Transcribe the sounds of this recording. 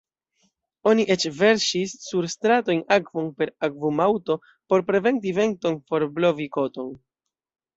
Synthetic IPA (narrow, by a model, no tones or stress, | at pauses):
o̞niʔe̞t͡ʃve̞ɾʃisːuɾstɾato̞jnakvo̞npe̞ɾakvumawto̞ | po̞ɾpɾe̞ve̞nt̬ive̞nto̞nfo̞ɾblo̞viko̞to̞n